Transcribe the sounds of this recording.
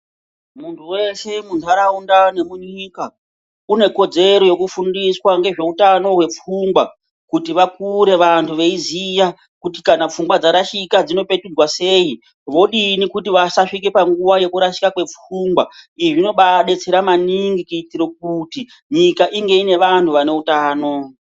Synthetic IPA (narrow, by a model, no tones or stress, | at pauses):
muntʰuwe̞se̞muntʰuaɾaundane̞muɲiːka | une̞ko̞d͡ze̞ɾo̞je̞kufundiswaŋɡe̞ʐe̞utano̞ɦwe̞p͡fuŋɡwa | kutiʋakuɾe̞ʋantʰuʋe̞izija | kuti̥kanap͡fuŋɡwad͡zaɾaʃikad͡zino̞pe̞tud͡zwase̞ːi | ʋo̞ɗinikutiʋasaʂik̬epaŋɡuʋaje̞kuɾaʃi̥kakwe̞p͡fuːŋɡwaiʐino̞ɓaɗe̞t͡se̞ɾamaniŋɡikuitiɾok̚uti | ɲikaʔiŋɡe̞ine̞ʋantʰuʋane̞utaːno̞